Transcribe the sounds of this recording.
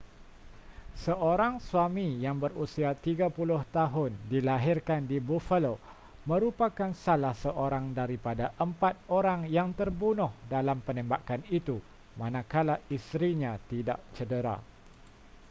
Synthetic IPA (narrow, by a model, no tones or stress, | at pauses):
səʔoɾaŋsuamijaŋbərusiat̪iɡapulʊht̪aɦʊndilaɦɪrkandibufəlo | mə̃ɾupakansalahsəʔoɾaŋdaɾipadaʔəmpat̪̚oɾaŋjaŋt̪ərbunʊhdalampənɛ̃mbakanit̪u | mãnãkalaist̪ɾiɲãt̪ida̰ʔt͡ʃədəɾa̰